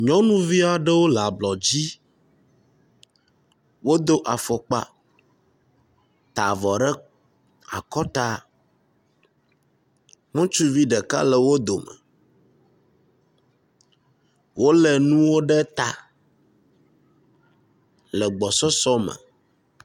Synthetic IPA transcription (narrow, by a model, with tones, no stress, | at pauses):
ɲɔ̃˦nũ˦vi˦a˨ɖe˦wo˦la˨blɔ˨d͡ʑi˦ | wo˦d̪o˦ʔa˨fɔ˨k͡pa̰˦ | t̪a˨vɔ˨ɖɛ˦ | a˨kɔ˦t̪a˦ | ŋũ˦t͡ʃu˦vi˦ɖɛ˨ka̰˦lɛ˨wo˦d̪o˨mɛ̰˨ | wo˦lɛ˨nũ˦wo˦ɖɛ˦t̪a̰˨ | lɛ˨ɡ͡bɔ˨sɔ˦sɔ˦mɛ̰̃˨